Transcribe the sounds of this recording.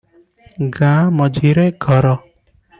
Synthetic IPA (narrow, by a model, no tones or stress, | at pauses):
ɡãmʌd͡ʒʱiɾeɡʱɔɾɔ